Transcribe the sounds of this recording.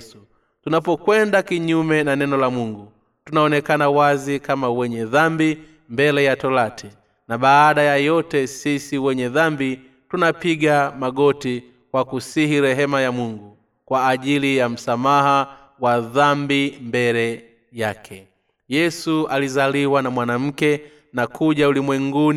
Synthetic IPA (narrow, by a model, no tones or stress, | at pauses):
u | tunapɔkwɛndakiɲumɛnanɛnɔlamuŋɡu | tunaɔnɛkanawazikamawɛɲɛðambi | mbɛlɛjatɔlatʰɛ | naɓaːɗajajɔtɛsisiwɛɲɛðambi | tunapiɡamaɡɔti | kwakusihiɾɛɦɛmajamuŋɡu | kwaːʄilijam̩samaɦa | waðambimbɛlɛ | jakʰɛ | jɛsualizaliwanamwanam̩kɛ | nakʰuʄaulimwɛŋɡun